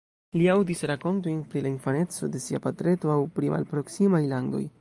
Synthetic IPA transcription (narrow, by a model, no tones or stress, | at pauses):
liawdisɾako̞nto̞jnpɾilainfane̞t͡so̞̰de̞siapatɾe̞to̞awpɾimʔa̰lpɾo̞ksimajlando̞̰j